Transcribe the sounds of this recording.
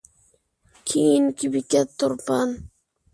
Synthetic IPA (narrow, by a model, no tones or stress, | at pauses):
kʰiːnkibikat̪ːoɾpan